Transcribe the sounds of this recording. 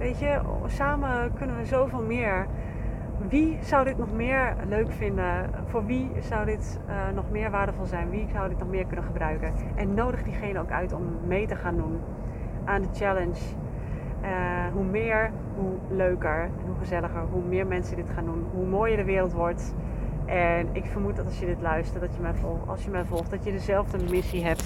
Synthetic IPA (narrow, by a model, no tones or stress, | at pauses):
ʋejtjəsaːməkɵnənʋəzowvɪːlˠmɪːɹ | ʋizʌwdɪtnɔχmɪːɹløɥkfɪndə | fʊːɹʋiz̥ʌwdɪt | nɔχmɪːɹʋaːɹdəvɔlˠzɛjnʋizawdɪtnɔχmɪːɹkɵnəχəbrœɥkənʔɛnːowdəχədiχejnəowkœ̰ɥtɔmːejtəχaːndun | ʔaːndət͡ʃɛləns | əɦumɪːəɹ | ɦu | løɥkəɹ | ɦuχəzɛləxəɹɦumɪːɹmɛnsədɪtχaːndunɦumoːjəɹdəʋɪːɾəlˠtʋɔɹt | ʔɛnɪkfəɹmut̚dɔtɑlˠsjədɪtlœɥstərdɔtjəmɛjɑ̰lˠsjəmɛjvɔlˠxtdɔtjədəzɛlˠvdəmɪsiɦɛp̚t